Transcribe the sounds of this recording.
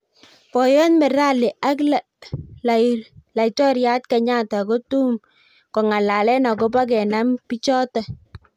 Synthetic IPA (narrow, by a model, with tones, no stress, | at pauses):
pɔ˨jɔ˦nmɛ˨ɾa˦lɪ˨ʔa˦kla˨ | lla˨jtɔ˦ɾja˦t̚ka˨ɲa˦ta˨ko˦tu˦m | kɔ˨ŋa˨la˨lɛ˦na˨kɔ˦ba˦kɛ˨na˦mpi˦t͡ʃɔ˦ta˨